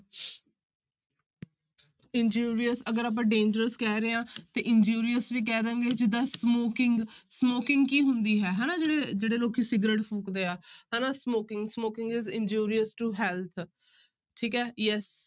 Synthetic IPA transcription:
ɪnd͡ʒuːɾiəsəɡəɾaːp̬ãːɖẽːɲd͡ʒəɾəskɛːɾeːãːt̪eːʔɪnd͡ʒuːɾiəsʋiːk̬ɛːd̪ẽːŋɡeːd͡ʒɪd̪aːsmoːkɪ̃ŋɡsmoːkɪ̃ŋɡkiːɦʊnd̪iːɦɛːɦɛːnaːd͡ʒeːɽeːd͡ʒeːɽeːloːkiːsɪɡɾeʈpʰuːkd̪eːaːɦɛːnaːsmoːkɪŋɡsmoːkɪ̃ŋɡɪzɪnd͡ʒuːɾijəsʈuːɦɛːlt̪ʰ | ʈʰiːkɛːjɛs

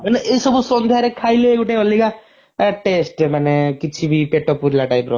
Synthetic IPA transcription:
mɛneʔeisɔbusɔnd̪ʱjaɾekʰaileekuʈeoliɡa | ʈesʈmɛnekit͡ʃʰibʱipeʈopuɾilaʈajpɾɔ̰

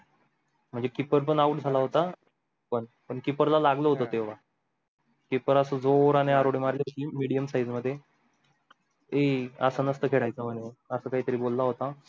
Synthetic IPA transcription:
m̤əɳd͡zekipəɾp̬əɳauʈd͡zʱalaɦot̪a | pəɳpəɳkipəɾlalaɡləɦot̪ot̪eʋ̤a | kipəɾəsəd͡zoɾaɽ̃eaɾoɽimaɾleok̪iːmiɽijəmsajd͡zməd̪ʱːje | eəsanəst̪əkʰeɽajt͡səm̤əɽeəsəːkaɦit̪əɾiːbolːaɦot̪a

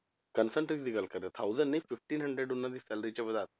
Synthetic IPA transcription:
kənsəɳʈɾikziɡəlkəɾet̪ʰawzəɳɖnififʈiːnɦəɳɖɾeɖunːad̪iːsɛləɾit͡ɕabəd̪at̪

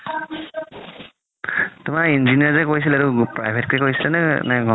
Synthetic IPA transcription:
tumaind͡ʒinijaɾzekojs̬ilaɾuɡpɾajbʱʰet̚kekojsilanɯ̰naɡɔ

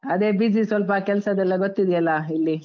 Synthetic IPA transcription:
ɐd̪eːbid͡ʒisʋɐlp̬ɐːkɛlsɐd̪ɛlːɐɡot̪ːid̪jɐlːɐilːi

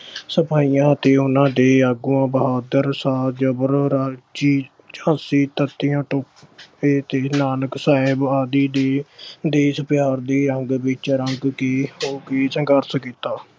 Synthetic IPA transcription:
səpaːijãːt̪eːʊnãːd̪eːəɡuːãːbəɦaːd̪əɾsaːd͡ʒəbəɾɾaːd͡ʒiː | t͡ʃãːsiːt̪ət̪ːɪjãːʈʊpeːt̪eːnaːnəksaːɦɪbaːd̪iːd̪eːd̪eːsəpjaːɾd̪iːɾəŋɡbɪt͡ʃɾəŋɡkɪoːkɪt͡ʃəŋɡəɾsəkiːt̪aː

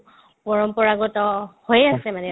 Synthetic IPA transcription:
pɔɹɔmpɔɹaɡɔtɔhojasɛmanɛ

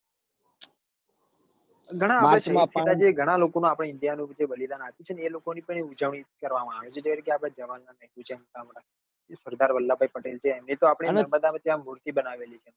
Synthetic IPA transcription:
ɡʱəɽ̃ãːpɽ̃ẽt͡ʃet͡ʃʰeʈad͡ʒeɡʱəɽ̃alokonũapəɽ̃eɪnd̪ijanũd͡ʒebəlid̪anat̪ut͡ʃʰenelokonipəɳeud͡ʒəʋɽ̃ikəɾʋamãaʋet͡ʃʰed͡ʒeəɾk̬eapɽ̃ad͡ʒəʋalnanɛkut͡ʃʰeəmt̪amɽa | esəɾd̪aɾʋəlːabʱaipəʈelt͡ʃʰeːmnit̪oapɽ̃enəməd̪amət̪jamːuɾt̪ibənaʋelit͡ʃʰe

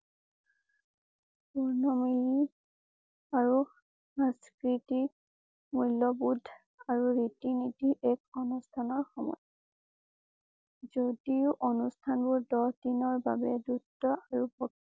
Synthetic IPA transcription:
pɔɹnɔmili | aɹu | ɹãskɹitik | mulːɔbudʱ | aɹuɹitinitiʔɛkɔnustʰanɔɹxɔmɔ̰j | zodiʊʔonustʰanbuɹdɔhdinɔɹba̰bɛ̰dutːɔaɹubʱɔk

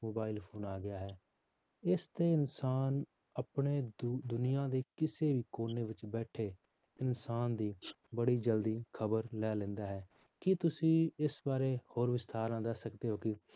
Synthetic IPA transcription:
moːbaːɪlpʰoːnaːɡɪjaːɦɛː | ɪst̪eːɪnsaːn | əpɳeːd̪ʊnɪjãːd̪eːkɪseːʋiːkoːneːʋɪt͡ʃbɛːʈʰeː | ɪnsaːnd̪iː | bəɽiːd͡ʒəld̪iːkʰəbəɾlɛːlɛ̃ːnd̪aːɦɛːkɪt̪ʊsĩːɪsbaːɾeːhoːɾʋɪst̪ʰaːɾnãːd̪ɛːsəkd̪eːɦoːkiː

